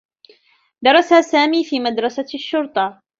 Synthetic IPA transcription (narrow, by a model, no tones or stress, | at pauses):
d̪ɑɾˤɑsasaːmiːfiːmad̪ɾˤɑsaʃːʊɾt̪ˤɑ